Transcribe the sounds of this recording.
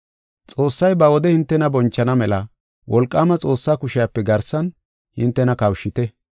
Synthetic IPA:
t͡sʼo̞ːsːɐjbɐwɔd̪ɛhɪnt̪ːɛnɐbɔnt͡ʃːɐnɐmɛlɐ | wʔɔlkʼːaːmɐt͡sʼo̞ːsːaːkʊʃɪjapːɛɡɐɾsɐn | hɪnt̪ːɛnɐkɐwʃɪt̪ɛ

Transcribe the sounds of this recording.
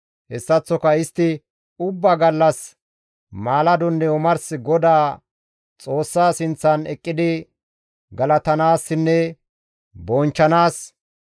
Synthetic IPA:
hɛsːɐt͡sːɔkɐɪst̪ːɪ | ʊbːɐɡɐlːɐs | maːlɐd̪ɔnːɛɔmɐɾsɪɡɔd̪aː | t͡sʼo̞ːsːaːsɪnt͡sːɐnɛkʼːɪd̪ɪ | ɡɐlɐt̪ɐnaːsːɪnːɛ | bɔnt͡ʃːɐnaːs

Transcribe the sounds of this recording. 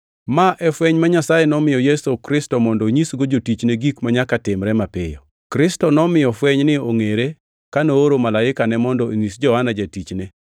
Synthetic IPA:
maʔɛfwɛɲmaɲasajenɔmɪjɔjesokɾɪstɔmɔndɔɲisɡod͡ʒotit͡ʃneɡikmaɲakatɪmɾɛmapɪjɔ̰ | kɾɪstɔnɔmɪjɔfwɛɲnɪoŋeɾe | kanooɾomalaɪkanɛmɔndɔiŋisd͡ʒɔhanad͡ʒetit͡ʃne

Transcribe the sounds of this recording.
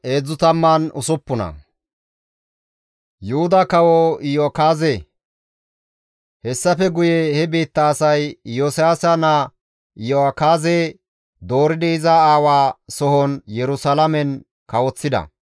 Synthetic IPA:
ʔe̞ːd͡zːʊt̪ɐmːanʊsʊpːʊnɐ̰ | jʊhʊd̪ɐkɐwɔɪjoːkaːze | hɛsːɐfɛɡʊjɛhɛbeːt̪ːɐːsɐjjoːsɪjaːsɐnɐ | ɪjokaːze | d̪o̞ːɾɪd̪ɛɪzɐaːwaːsɔhɔnjɛɾʊsɐlɐmɛn | kɐwɔt͡sːɪd̪ɐ̰

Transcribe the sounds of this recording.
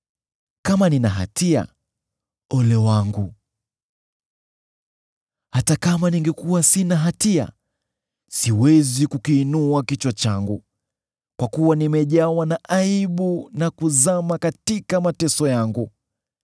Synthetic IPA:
kamaninaɦa̰tʰia̰ | ɔlɛwaŋɡu | hatakamaniŋɡɛkuwasinaɦatia̰ | siwɛzikukiːnuakit͡ʃwat͡ʃaŋɡu | kwakuwanimɛʄawanaʔaiɓunakuzamakatikamatɛsɔjaŋɡu

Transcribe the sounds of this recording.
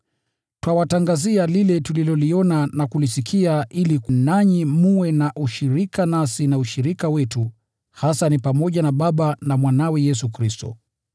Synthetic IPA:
twawataŋɡazialilɛtulilɔliɔnanakulisikʰiaʔilikunaɲimuwɛnaʔuʃiɾikanasinauʃiɾikawɛtu | hasanipamɔʄanaɓaɓanamwanawɛjɛsukɾistɔ̰

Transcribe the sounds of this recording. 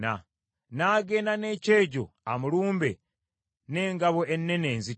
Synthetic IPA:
a̰ | naːɡeːnane̞ːce̞ːɟo̰a̰muluːmbḛ | ne̞ːŋɡaβoʔenːe̞ne̞ːnzi

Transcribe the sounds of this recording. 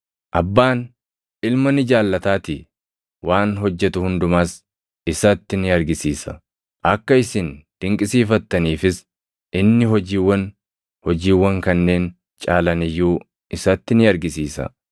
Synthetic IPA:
ʔɐbːaːn | ɪlmɐnɪd͡ʒaːlːɐt̪aːt̪i | wʔaːnɦɔd͡ʒːɛt̪ʊhʊnd̪ʊmaːs | ɪsɐt̪ːɪnɪɐɾɡɪsiːsɐ | ʔɐkːɐɪsɪnd̪̥ɪŋkʼɪsiːfɐt̪ːɐniːfɪs | ʔɪnːɪɦɔd͡ʒiːwːɐn | hɔd͡ʒiːwːɐŋkɐnːe̞ːn | t͡ʃʼaːlɐnɪjːuː | ɪsɐt̪ːɪnɪɐɾɡɪsiːsɐ̰

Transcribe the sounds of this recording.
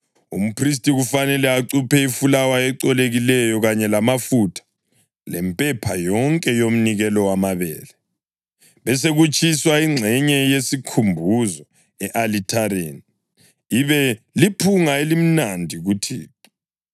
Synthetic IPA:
ṵm̩pris̬tʼiɣufanɛlɛaǀupʰɛifulawaɛǀɔleɣilɛjɔɣaɲɛlamafutʰḁ | lɛmpʼɛpʰajɔŋkʼɛjom̩niɣɛlɔwamaβɛ̰ːlɛ | βɛs̬eɣut͡ʃʼʰiswaiŋ͡ǀʱɛɲɛjesikʰumbʱuzɔ | ɛʔalitʰaɾeni | iβɛ | lipʰuŋaelim̩nandʱiɣutʰḭː

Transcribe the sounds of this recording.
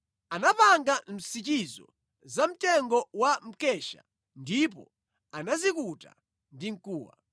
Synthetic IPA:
anapaŋɡam̩sit͡ʃizɔ̰ | zam̩tɛŋɡɔwam̩kɛʃa̰ | ndip̬ɔ̰ | anazikuta̰ | ndiŋ̩kuːwa̰

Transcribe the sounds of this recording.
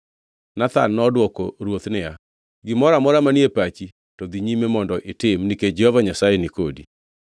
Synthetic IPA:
nat̪anːɔdwɔkoɾwot̪nɪa | ɡɪmɔɾamɔɾamaniepat͡ʃi | tɔd̪iɲimemɔndɔʔɪtɪmniked͡ʒɛhɔvaɲasajenɪkodi

